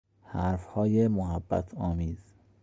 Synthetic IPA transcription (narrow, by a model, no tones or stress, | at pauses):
hæɾfhɒːjemoɦæbːæ̰t̪ʰɒːmiːz̥